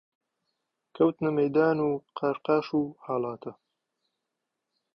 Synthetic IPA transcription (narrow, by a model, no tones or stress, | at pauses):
kʰɐwt̪nɐmɐjd̪aːnuːqʰɐɾqaːʃuːhaːlaːt̪ʰɐ